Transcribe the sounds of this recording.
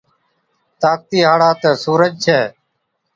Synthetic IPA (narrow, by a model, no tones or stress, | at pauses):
t̪aːk̚t̪iːɦaːɽaːt̪əːsuːɾəd͡ʒt͡ʃʰɛː